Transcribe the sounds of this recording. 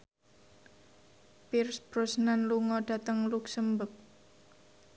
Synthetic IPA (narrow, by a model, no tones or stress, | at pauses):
pirsb̥ɾʊsnanluŋɔɖ̥a̤t̪əŋluksəmbək̚